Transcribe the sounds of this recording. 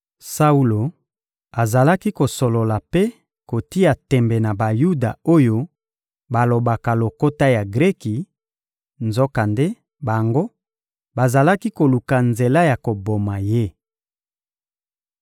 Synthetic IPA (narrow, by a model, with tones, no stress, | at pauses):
sa˦u˦lo˨ | a˨za˨la˦ki˦ko˨so˨lo˨la˨pe˦ | ko˨ti˦a˨tɛ˨mbɛ˨na˨ba˨ju˦da̰˨o˦jo˦ | ba˨lo˨ba˨ka˨lo˨ko˦ta˦ja˨ɡʁe˦ki˨ | nzɔ˦ka˨nde˦ | ba˨ŋɡo˦ | ba˨za˨la˦ki˦ko˨lu˨ka˨nze˨la˦ja˨ko˨bo˨ma˨je˦